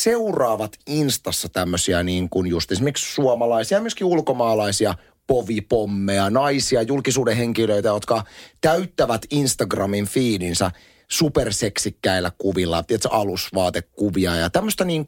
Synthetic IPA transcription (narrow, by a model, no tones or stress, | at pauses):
seurɑːʋɑt̪inst̪ɑsːɑt̪æmːøsiæniːŋkunjust̪esimerkssuomɑlɑisiɑmyøskiulkomɑːlɑisiɑ | poʋipomːeɑnɑisiɑjulkisuːdeheŋkiløit̪æjot̪kɑt̪æyt̪ːæʋæt̪inst̪ɑɡrɑmiɱfiːlinsæ | superseksikːæilːækuʋilːɑ̰t̪iet̪sɑlusʋɑːt̪ekkuʋiɑjɑ̰t̪æmːøst̪ɑniːŋ